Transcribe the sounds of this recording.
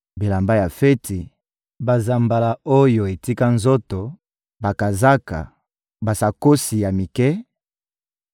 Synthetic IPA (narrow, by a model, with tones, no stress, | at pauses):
bi˨la˨mba˦ja˨fɛ˦tʰi˨ | ba˨za˨mba˨la˨o˦jo˨e˨ti˦ka˦nzo˦to˨ | ba˨ka˨za˦ka̰˨ | ba˨sa˨ko˦si˨ja˨mi˨kɛ˦